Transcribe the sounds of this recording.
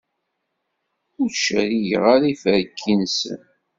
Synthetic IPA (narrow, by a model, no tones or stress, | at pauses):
ʊɾt͡ʃːəɾiʝə̰ʁaɾifəɾkʰːinsə̰n